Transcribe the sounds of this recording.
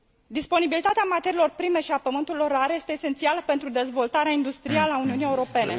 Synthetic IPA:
d̪ispo̞nibilit̪at̪eamat̪e̞ɾilo̞rpɾime̞ʃiapəmɨnt̪uilo̞raɾje̞st̪e̞ːse̞nt̪sialəpe̞nt̪ɾud̪e̞zvo̞lt̪aɾeaind̪ust̪ɾialəauniunije̞uɾo̞pe̞ne̞

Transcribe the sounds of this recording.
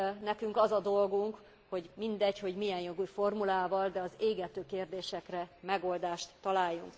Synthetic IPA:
nɛkyŋkɒzɒd̪o̞lɡuŋk | ho̞ɟmind̪ɛɟho̞ɟmijɛnjoɡujfo̞rmulaːvɒld̪ɛɒzeːɡɛt̪øːkeːrd̪eːʃɛkrɛmɛɡo̞ld̪aːʃt̪ːɒlaːjːuŋk

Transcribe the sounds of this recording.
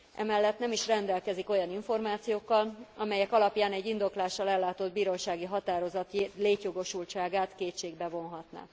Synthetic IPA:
ʔɛ̰mɛlːɛt̪nɛmiʃrɛnd̪ɛlkɛziko̞jɒniɱfo̞rmaːt̪sijoːkːɒlɒmɛjɛkɒlɒpjaːnɛɟːind̪o̞klaːʃːɒlɛlːaːt̪o̞d̪biːɾo̞ʃaːɡiɦɒt̪aːɾo̞zɒt̪leːcjo̞ɡo̞ʃult͡ʃaːɡaːt̪keːtʃeːɡbɛvo̞nɦɒt̪na̰k

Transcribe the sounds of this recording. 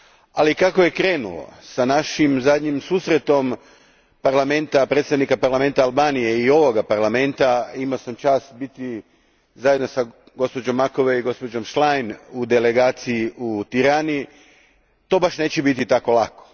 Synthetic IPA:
alikakoje̞kɾe̞ːnṵlo̰sanaʃimzad̪ɲimsuːsɾet̪o̞m | paɾlame̞nt̪apɾet̪st̪aʋnikapaɾlˠame̞nt̪aːlˠbaːnije̞io̞ʋoɡapaɾlˠame̞nt̪aimaosamt͡ʃaːsbit̪i | zajed̪nosa | ɡo̞spo̞d͡ʒo̞mːakoʋeiɡo̞spo̞d͡ʒo̞mʃlajnud̪ele̞ɡaːt̪sijiut̪iɾaːni | t̪o̞ːbaʃne̞ːt͡ɕebit̪it̪ako̞lˠako̥

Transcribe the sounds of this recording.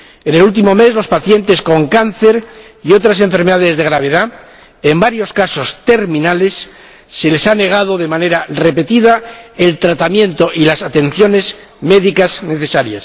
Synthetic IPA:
e̞ne̞lult̪̬imo̞me̞zlo̞spaθje̞nt̪e̞sko̞ŋkanθe̞ɾ | io̞t̪ɾas̬e̞ɱfe̞ɾme̞ðaðe̞zðe̞ɣɾaβ̞e̞ða | embaɾjo̞skaso̞st̪e̞ɾmĩnale̞sː | e̞le̞sane̞ɣ̞að̞o̞ðe̞mane̞ɾare̞pet̪iðae̞lt̪ɾat̪amjẽ̞nt̪o̞ʔilasat̪e̞n̟θjo̞ne̞z | me̞ðikazne̞θe̞saɾjas

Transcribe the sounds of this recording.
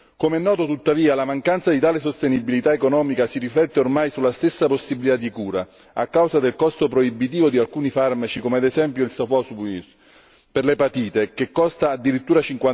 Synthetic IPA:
komeɛnːɔːt̪ot̪ut̪ːaviːalamaŋkant̪sad̪it̪aːlesost̪enibilit̪aekonɔːmikasiriflɛt̪ːeormajsulːast̪esːaposːibilit̪ad̪ːikuːɾa | a̰kːawzad̪elkɔst̪opɾoibit̪iːvod̪ialkuːnifarmat͡ʃikomead̪ezɛmpjoilsofɔsbuis | perlepat̪iːt̪ek̟ekːɔst̪aːd̪ːiɾit̪ːuːɾat͡ʃiŋkwa

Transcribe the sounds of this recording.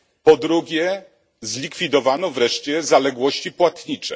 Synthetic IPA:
pɔd̪ɾuɡʲjɛ | zlʲikfʲid̪ɔvanɔvɾɛʂt͡ɕɛzalɛɡwɔɕt͡ɕipwat̪ɲit͡ʂɛ̰

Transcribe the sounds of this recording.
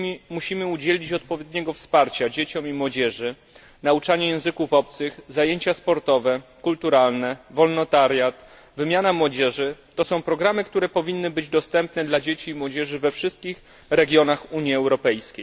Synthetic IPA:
imuɕimɘud͡ʑelʲit͡ɕɔt̪̚pɔvʲjed̪ɲɛɡɔfspaɾt͡ɕad͡ʑet͡ɕɔmimwɔd͡ʑɛʐɘ | naut͡ʂaɲɛjɛ̃w̃zɘkufɔp̚t̪sɘxzajeɲt͡ɕaspɔɾt̪ɔvɛkult̪uɾalnɛvɔlnɔt̪aɾjat̪ | vɘmʲjanamwɔd͡ʑɛʐɘt̪ɔsɔ̃w̃pɾɔɡɾamɘkt̪uɾɛpɔvʲinːɘbɘd͡ʑd̪ɔst̪ɛmpnɛd̪lad͡ʑet͡ɕiːmwɔd͡ʑɛʐɘvɛfʂɘst̪̚kʲix | ɾɛɡʲjɔnaxuɲiɛwɾɔpɛjskʲej

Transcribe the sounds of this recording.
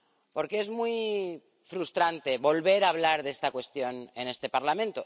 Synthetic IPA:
po̞ɾkee̞zmwui | fɾust̪ɾant̪e̞βo̞lβe̞ɾaβ̞laɾðe̞st̪akwe̞st̪jo̞ne̞ne̞st̪e̞paɾlamẽ̞nt̪o

